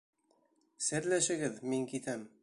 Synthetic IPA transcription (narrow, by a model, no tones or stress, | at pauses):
sɘ̆ɾlæʃɘ̆ɡɘðmiŋkit̪æm